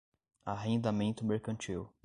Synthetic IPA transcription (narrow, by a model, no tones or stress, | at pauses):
aɦẽnd̪amẽnt̪ʊmeɾkɐ̃nt͡ʃiw